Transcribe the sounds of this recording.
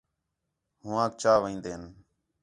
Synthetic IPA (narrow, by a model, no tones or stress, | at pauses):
ɦʊʋãːk̚t͡ʃaːʋẽːnd̪eːɦən